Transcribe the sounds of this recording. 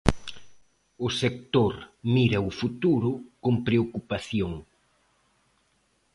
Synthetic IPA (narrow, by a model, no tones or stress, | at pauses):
ʊsek̚t̪oɾmiɾɐʊfut̪uɾʊkoŋpɾeokupaθjoŋ